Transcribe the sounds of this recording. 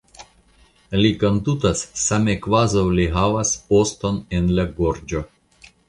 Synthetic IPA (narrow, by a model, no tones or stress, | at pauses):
likond̪ut̪asːamekvazawliɦavaspost̪o̞nenlaɡoɾd͡ʒo̞